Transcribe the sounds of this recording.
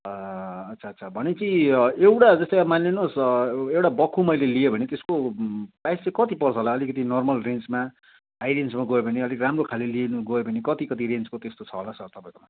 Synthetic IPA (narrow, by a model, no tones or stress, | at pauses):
ʌt̪ːsʰaʌt̪ːsʰabʱʌnet͡sĩewʈad͡zʌst̪ekamanlenosewʈabʌkʰːumʌjleliebʱʌnet̪eskopajst͡sʌekʌt̪ipʌrt͡sʰʌɦolaʌlikʌt̪inʌrmʌlrent͡smaː | jlensmaɡʌebʌneʌlikramrokʰalelienuɡʌjobʱʌnekʌt̪ikʌt̪̬iɾent͡skot̪est̪ot͡sʰʌɦolasʌrt̪ʌpãĩkoma